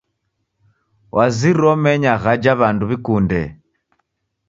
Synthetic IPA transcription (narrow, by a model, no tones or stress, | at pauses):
wʔaziɾɔmɛɲaɣad͡ʒaβanduβikundɛ